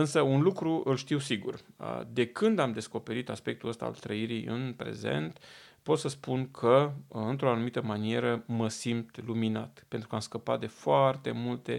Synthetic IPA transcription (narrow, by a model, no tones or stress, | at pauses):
ɨnsəunlukɾuʔɨlʃt̪iwsiɡurə̰d̪e̞kɨnd̪amd̪e̞sko̞pe̞ɾit̪aspe̞k̚t̪uəst̪a̰a̰lt̪ɾəiɾijɨ̰npɾe̞̰ze̞̰nt̪po̞t̪səspunkʰəɨnt̪ɾo̞anumit̪əmanie̞ɾəməsimt̪lumina̰t̪pe̞nt̪ɾukəamskəpa̰t̪̚d̪e̞foart̪e̞mult̪e̞̰